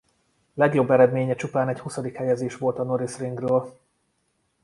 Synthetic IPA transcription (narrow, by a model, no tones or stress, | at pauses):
lɛɡjo̞bːɛɾɛd̪meːɲɛt͡ʃupaːnɛchusɒd̪ikhɛjɛzeːʃʋo̞lt̪ɒno̞ɾisriŋɡrøːl